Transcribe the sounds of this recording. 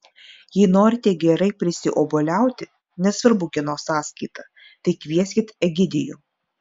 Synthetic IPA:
jiːnoːɾʲɪt̪ʲiɛɡʲɛɾɐɪpʲɾʲɪsʲɪʔoːboːlʲæˑʊt̪ʲɪ | nʲɛsʋɐɾbʊɡʲɪnoːsɑːsʲkɐɪt̪ɑ | t̪ɐɪkʋʲiɛsʲkʲɪt̪ɛɡʲɪd̪ʲɪjuː

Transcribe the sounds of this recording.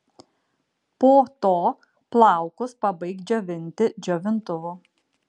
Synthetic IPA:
poːt̪oː | plˠɑˑʊkʊspɐbɐɪk̪d͡ʒʲoːʋʲɪnʲt̪ʲɪd͡ʒʲoːʋʲɪnt̪ʊʋʊ

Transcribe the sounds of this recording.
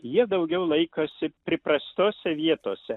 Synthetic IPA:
jiɛd̪ɐʊɡʲɛʊlˠɐɪkoːsʲɪpʲɾʲɪprɐst̪ʲoːsʲɛʋʲiɛt̪oːsʲɛ

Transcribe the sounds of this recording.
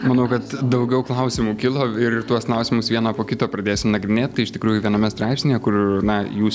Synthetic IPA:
mɐnɐʊkɐt̪d̪ɐʊɡʲɛʊklˠɐʊsʲɪmuːkʲɪlˠoːɪɾɪt̪uɔsklˠɐʊsʲɪmʊsʋʲiɛnɐːpoːkʲɪt̪oːpɾɐd̪ʲeːsʲɪmnɐɡɾʲɪnʲeːt̪t̪ːɐɪɪʃt̪ʲɪkɾuːjʊʋʲiɛnɐmʲɛst̪ɾɑˑɪpʲsʲnʲejɛkʊrnɐjuːs

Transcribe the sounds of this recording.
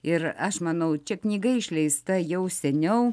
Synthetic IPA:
ɪɾɐʃmɐnɐʊt͡ʃʲɛknʲiːɡɐɪʃʲlʲɛɪst̪ɐjɛʊsʲɛnʲɛʊ

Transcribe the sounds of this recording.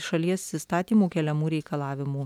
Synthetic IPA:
ʃɐlʲiɛsʲɪst̪ɑːt̪ʲiːmuːkʲɛlʲɛmuːɾʲɛɪkɐlˠɑːʋʲɪmuː

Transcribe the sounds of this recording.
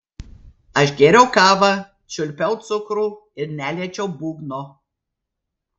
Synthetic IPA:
ɐʃɡʲɛɾʲɛʊkɑːʋɐ | t͡ʃʲʊlʲpʲɛʊt̪sʊkɾuː | ɪɾnʲæːlʲiɛt͡ʃʲɛʊbuːɡnɔ

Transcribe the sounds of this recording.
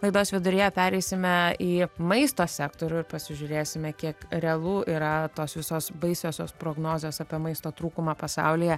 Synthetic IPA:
lˠɐɪd̪oːsʋʲɪd̪ʊɾʲɪjɛpʲæːɾʲɛɪsʲɪmʲɛiːmɐɪst̪oːsʲæːkt̪oːɾʲʊɪɾpɐsʲɪʒʲʊɾʲeːsʲɪmʲɛkʲiɛkɾʲɛɐlˠuːʔiːɾɐt̪oːsʋʲɪsoːsbɐɪsʲoːsʲoːspɾoːɡnoːzʲoːsɑpʲiɛmɐɪst̪oːt̪ɾuːkʊmɑːpɐsɑ̰ʊlʲɪjɛ

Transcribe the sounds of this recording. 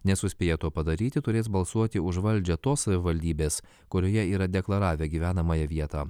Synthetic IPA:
nʲɛsʊsʲpʲeːjɛt̪uɔpɐd̪ɐɾʲiːt̪ʲɪt̪ʊɾʲeːsbɐlˠsuɔt̪ʲɪʊʒʋɐlʲd͡ʒʲɛt̪oːssɐʋʲɪʋɐlʲd̪ʲiːbʲeːs | kʊɾʲoːjɛiːɾɐd̪ʲɛklˠɐɾɑːʋʲeːɡʲiːʋʲæːnɐmɑjɛʋʲiɛt̪ɑː

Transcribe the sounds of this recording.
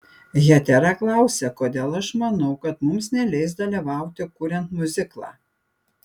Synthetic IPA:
jɛt̪ʲɛɾɑklˠɑˑʊsʲɛkoːd̪ʲeːlˠɐʃmɐnɒʊkɐt̪mʊmsnʲɛlʲɛɪs̬d̪ɐlʲiʋɑˑʊt̪ʲɪkuːɾʲɛnt̪mʊzʲɪklˠɑ̰ː

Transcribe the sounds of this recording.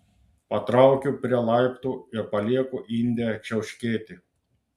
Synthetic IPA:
pɐt̪ɾɑˑʊkʲupʲɾʲiɛlˠɑˑɪpt̪uːɪɾpɐlʲiɛkuʔinʲd̪ʲɛt͡ʃʲɛʊʃʲkʲeːt̪ʲɪ

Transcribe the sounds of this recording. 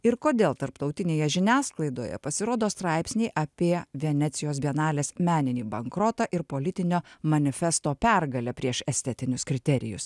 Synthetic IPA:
ɪɾkoːd̪ʲeːlˠt̪ɐɾpt̪ɒʊt̪ʲɪnʲeːjɛʒʲɪnʲæːsklˠɐɪd̪oːjɛ̰pɐsʲɪɾoːd̪oːst̪ɾɑˑɪpʲsʲnʲɛɪʔɐpʲiɛʋʲɛnʲɛt̪sʲɪjoːsbʲiɛnɑːlʲeːsmʲæːnʲɪnʲiːbɐŋkɾɔt̪ɐʔɪɾpoːlʲɪt̪ʲɪnʲoːmɐnʲɪfʲɛst̪oːpʲæɾɡɐlʲɛpʲɾʲiɛʃɛsʲt̪ʲɛt̪ʲɪnʲʊskɾʲɪt̪ʲɛɾʲɪ̰jʊ̰s

